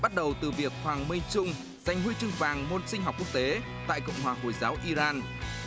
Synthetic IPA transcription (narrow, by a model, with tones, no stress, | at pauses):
ɓa˦˥t̚ɗə˨˩wt̪ɨ˨˩vi˨˩ək̚hwaː˨˩ŋmi˧jt͡ɕʊ˧ŋ͡m | z̥a˨˩jŋ̟hwi˧t͡ɕɨ˧ŋvaː˨˩ŋmo˧nsï˧ŋ̟ha˨˩k͡pku˦˥ək̚t̪e˨˦ | t̪a̰ː˧˨jkɔ̰˧˨wŋ͡mhwaː˨˩ho˧˩jzaː˨˦wʔi˧zaː˧n